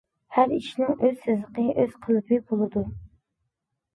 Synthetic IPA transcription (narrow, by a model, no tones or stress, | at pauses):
hæɾiʃnɪŋʔøz̥sɪzləqəʔøz̥qʰəlˠɨpʰɨbolˠɨd̪u